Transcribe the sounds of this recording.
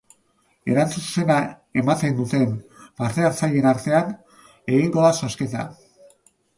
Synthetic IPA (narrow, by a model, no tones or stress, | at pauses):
e̞̰ɾant͡susu̥se̞na | e̞mat̪e̞nd̪ut̪e̞mpaɾt̪eaɾt͡saje̞naɾt̪e̞an | e̞ɣiŋɡo̞ðasosket̪a̰